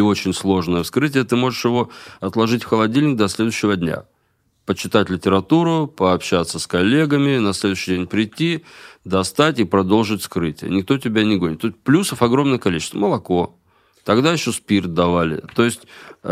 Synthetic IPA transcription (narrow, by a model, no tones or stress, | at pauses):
ɪo̞t͡ɕɪnʲslˠo̞ʐnəjəskɾɨtʲɪjət̪ɨmo̞ʐɨʂjɪvo̞ɐt̪lˠɐʐɨtʲfxəlˠɐdʲilʲnʲɪk̚d̪ɐsʲlʲe̞d̪ʊjɕːɪvəd̪ʲnʲa̰ | pət͡ɕːɪt̪atʲlʲɪtʲɪɾɐt̪uɾʊpəɐpɕat̪səskɐlʲːe̞ɡəmʲɪnɐsʲlʲe̞d̪ʊɥɕːɪjdʲenʲpɾʲɪtʲːid̪ɐst̪atʲipɾɐd̪o̞lˠʐɨtʲskɾɨtʲɪjə̰nʲɪkt̪o̞tʲɪbʲanʲɪɡo̞nʲɪt̪ːoɪsʲt̚ʲplʲusəfɐɡɾo̞mnɨjkɐlʲit͡ɕɪ̥st̪vəməlˠɐko̞ | t̪ɐɡd̪ajɪɕːo̞spʲirt̪̚d̪ɐvalʲɪ̰t̪o̞jɪsʲtʲ